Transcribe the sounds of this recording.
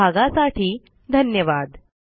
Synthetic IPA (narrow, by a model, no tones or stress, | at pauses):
aɡasaʈʰiː | d̪ʱənjəʋad̪